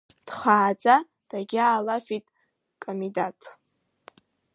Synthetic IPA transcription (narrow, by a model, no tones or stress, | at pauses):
d̥χaːd͡zʼa | d̥aɡʲaːlafitʼ | kʼomidatʼʰ